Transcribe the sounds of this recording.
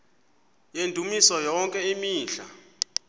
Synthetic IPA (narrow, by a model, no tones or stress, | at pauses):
jendʱumisɔjɔŋkʼɛimiːnɬa̰